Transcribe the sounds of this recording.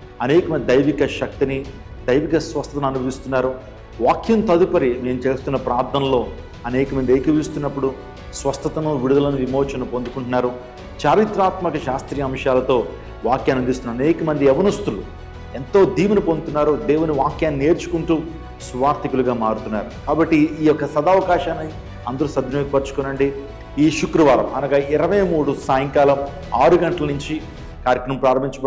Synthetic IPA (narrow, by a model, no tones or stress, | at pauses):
ɐnɛːkɐmɐnd̪id̪ɐjʋikɐʃɐk̚t̪ini | d̪ɐjʋikɐsʋɐst̪ʰɐt̪ɐnɐnubʱɐist̪unːaːɾu | ʋaːkjɐnt̪ɐd̪upɐɾime̞ːmut͡ʃe̞ːst̪unːɐpɾaːɾd̪ʰɐnlo̞ː | ɐnɛːkɐmɐnd̪iejkɐʋist̪unːɐpːuɽu | sʋɐst̪ɐt̪ɐnuʋiɽud̪ɐlɐnuʋimoːt͡ʃɐnupond̪ukuɳʈunːaːɾu | t͡ʃaːɾit̪ɾaːt̪mɐkɐʃaːst̪ɾijɐɐmʂaːlɐt̪o̞ː | ʋaːkjaːnɐnd̪is̬t̪unɐɐnɛːkɐmɐnd̪iɛʋɐnɐst̪ulu | ent̪o̞ːd̪iːʋɐnipond̪ut̪unːaːɾud̪eːwuniʋaːkjaːnineːɾt͡ʃu̥kuɳʈuː | sʋaːɾt̪ikuluɡaːmaːɾut̪unːa̰ːɾukaːbɐʈːiːjɔkːɐsɐd̪aːʋɐkaːʃaːnːi | ɐnd̪ɐɾusɐd̪ʱnoːkipɐɾt͡ʃu̥kɔnɐɳɖi | iːʃukɾɐʋaːɾɐ̰mɐ̰nɐɡɐiɾɐʋɐjmuːɽusaːjɐŋkaːlɐm | aːɾuɡɐɳʈɐlɐnuɲt͡ʃi | kaːɾɐkːɾɐmɐmpɾaːɾɐmːiɲt͡ʃɐp